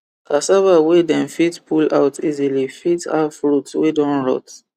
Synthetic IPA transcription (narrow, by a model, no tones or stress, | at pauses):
kasavawedɛ̃nfitpʰula̰ʊtʰizilifita̰fɹutwedɔ̃nɹɔ̰t